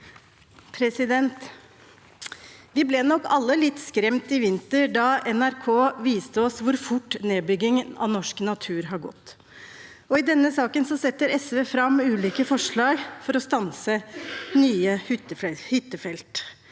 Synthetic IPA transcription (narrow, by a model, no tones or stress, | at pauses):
pʰɾɛsɪd̪ɛnt̪ | ʋɪblɛːnɔkːɑlːəlɪt̪ːskɾɛmt̪ɪʋɪnt̪əɾɖɑɛnæɾkʰoːʋiːst̪əɔsʋʊɾfʊʈːneːbʏɡɪŋɑ̰nɔʂknɑt̪ʰʉːɾɦɑɾɡɔ̰t̪ː | ɔɪd̪ɛnːəsɑːkənsɔsɛt̪ːəɾɛsʋeːfɾɑmʉːliːkəfɔʂɭɑːɡfɔɾɔst̪ɑnsənyːəhʏt̪ːəɛhʏt̪ːəfɛlt̪